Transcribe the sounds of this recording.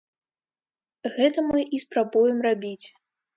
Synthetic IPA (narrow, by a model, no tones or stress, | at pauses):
ɣɛt̪ɐmɨʔispɾabujɛmrabʲit͡sʲ